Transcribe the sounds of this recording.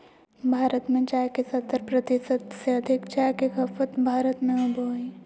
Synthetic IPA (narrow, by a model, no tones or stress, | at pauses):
bʱaːɾət̪mẽt͡ʃaːkesɐt̪ːəɾpɾət̪ɪsəd̪seɐd̪ʱɪkt͡ʃaːjkekɐfət̪bʱaːɾət̪mẽʊbʱoi